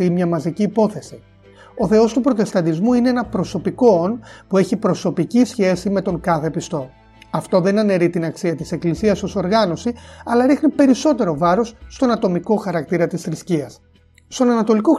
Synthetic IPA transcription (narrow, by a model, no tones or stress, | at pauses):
imɲɐmɐziciːpo̞θe̞si | o̞θe̞o̞st̪upɾo̞t̪e̞st̪ɐnd̪izmuineenɐpɾo̞so̞piko̞o̞npue̞çipɾo̞so̞picisçe̞sime̞t̪o̞ŋkɐθe̞pist̪o̞ | ɐft̪o̞ðe̞nɐne̞ɾit̪inɐksiɐt̪ise̞klisiɐso̞so̞ɾɣɐno̞siɐlɐɾixnipe̞ɾiso̞t̪e̞ɾo̞vɐɾo̞sːt̪o̞nɐt̪o̞miko̞xɐɾɐk̚t̪iɾɐt̪isθɾisciɐs | st̪o̞nɐnɐt̪o̞liko